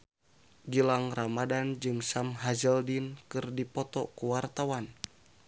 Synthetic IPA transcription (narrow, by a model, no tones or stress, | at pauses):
d͡ʒəlaŋramadand͡ʒɨŋsamɦazəldinkɨrdipɔt̪ɔkuwart̪awan